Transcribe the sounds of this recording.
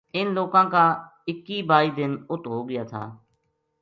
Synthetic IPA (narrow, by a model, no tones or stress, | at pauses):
ɪnloːkãːkaːɪkːiːbaːiːd̪ɪnʊt̪ɦoːɡɪjaːt̪ʰa̰ː